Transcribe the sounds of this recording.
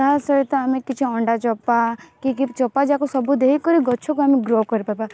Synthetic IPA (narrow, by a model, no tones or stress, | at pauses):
asəɾt̪ɔamekit͡ʃʰiɔɳɖat͡ʃɔpːakikit͡ʃɔpːad͡ʒakosɔbud̪eɦikɔɾiɡɔt͡ʃʰɔkoamiɡɾokɔɾipapa